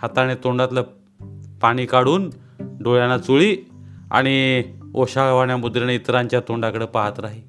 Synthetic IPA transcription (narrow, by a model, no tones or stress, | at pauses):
hat̪aɽ̃et̪oɳɖat̪lə | paɽ̃ikaɽuːn | ɖoɭjanat͡suɭia̰ɽ̃ioɕaɭʋaɳjamud̪ɾeneit̪ɾãɲt͡ɕjat̪oɳɖakəɽəːpaɦat̪ɾaɦi